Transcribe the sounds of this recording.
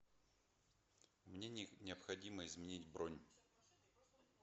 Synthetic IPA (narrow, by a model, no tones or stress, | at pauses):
mnʲenʲnʲɪəpxɐdʲiməɪzmʲɪnʲitʲbɾonʲ